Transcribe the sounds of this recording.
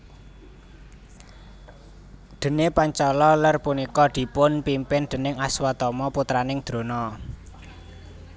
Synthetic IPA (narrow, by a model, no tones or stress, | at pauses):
d̪̥ə̤nepaɲt͡ʃɔlɔlərpunikɔd̪̥i̤pʊnpimpɪnd̪̥ə̤nɪŋaswat̪ɔmɔput̪ɾanɪŋd̪̥ɾo̤nɔ